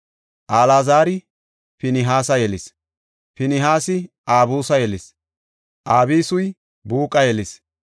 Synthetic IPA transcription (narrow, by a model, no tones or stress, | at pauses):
ʔaːlaːzaːɾɪ | pɪnɪɦaːsɐjɛlɪs | pɪnɪɦaːsɪ | aːbuːsɐjɛlɪs | ʔaːbiːsʊj | buːkʼɐjɛlɪs